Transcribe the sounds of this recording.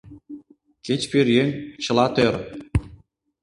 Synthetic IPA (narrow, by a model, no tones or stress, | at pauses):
ket͡ɕpiɾjent͡ɕɤ̆lɑt̪øɾ